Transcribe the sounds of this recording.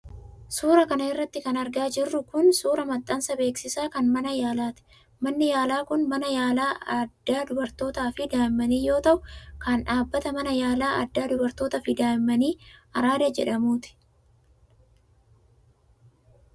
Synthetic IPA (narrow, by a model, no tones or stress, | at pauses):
suːɾɐkɐnɐɪrːɐt̪ːɪkɐnɐɾɡaːd͡ʒɪrːʊkʊnsuːɾɐmɐt̪ʼːɐnsɐbe̞ːksɪsaːkɐnmɐnɐjaːlaːt̪ɪ̥ | mɐnːɪjaːlaːkʊnmɐnɐjaːlaːɐd̪ːaːd̪ʊbɐɾt̪o̞ːt̪aːfɪd̪aːɪmːɐniːjo̞ːt̪ɐʔʊkɐnᶑaːbːɐt̪ɐmɐnɐjaːlaːʔɐd̪ːaːd̪ʊbɐɾt̪o̞ːt̪ɐfɪd̪aːɪmːɐniːɐɾaːd̪ɐd͡ʒɛᶑɐmuːt̪ɪ̥